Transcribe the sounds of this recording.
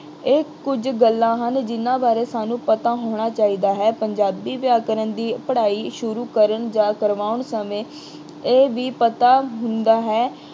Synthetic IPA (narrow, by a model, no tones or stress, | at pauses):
eːkʊd͡ʒɡəlːãːɦənd͡ʒɪnãːbaːɾeːsaːnũːpət̪ãːɦoːɳ̃aːt͡ʃaːiːd̪aːɦɛːpəɲd͡ʒaːbiːʋjaːkəɾənd̪iːpəɽaːiːʃʊɾuːkəɾəɳd͡ʒãːkəɾʋaːʊɳsəmẽː | eːʋiːpət̪aːɦʊnd̪aːɦɛː